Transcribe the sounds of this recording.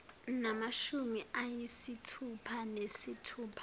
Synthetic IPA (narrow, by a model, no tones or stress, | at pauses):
namaʃumiʔajisitʰupʰanesitʰuːpʰḁ